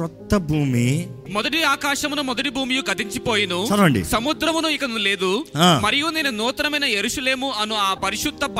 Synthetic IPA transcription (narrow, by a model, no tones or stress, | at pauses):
ɔt̪ːɐbʱuːmimɔd̪ɐʈiaːkaːʂɐmunumɔd̪ɐʈibʱuːmijuɡɐt̪iɲt͡ʃipo̞ːjinusɐɾɐɳɖḭsɐmud̪ɾɐmunuikɐnle̞ːd̪uaːmɐɾijuneːnɐnuːt̪ɐɾɐmɐjnɐje̞ɾuʂɐle̞ːmuɐnuaːpɐɾiʂud̪ːɐp